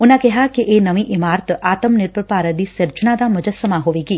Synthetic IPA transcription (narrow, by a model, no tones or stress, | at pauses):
ʊnãkɛɦakeʔeːnɐʋĩʔɪmaːɾt̪aːt̪əmnɪɾpɾəpaːɾət̪̚d̪iːsɪɾt͡ʃənad̪aːmʊd͡ʒəsəmaɦoːʋeːɡiː